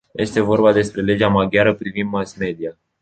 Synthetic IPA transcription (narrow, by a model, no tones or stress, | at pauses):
jʔe̞st̪e̞vo̞rbad̪e̞spɾe̞le̞d͡ʒamaɡʲjaɾəpɾivind̪masme̞d̪ia